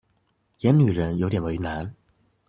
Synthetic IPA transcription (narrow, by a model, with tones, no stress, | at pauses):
jɛ˨˧˥nny˨˩ɻə˧˥njo˧˥wt̪̬jɛ˨˩nwe˧˥y˧na˧˥n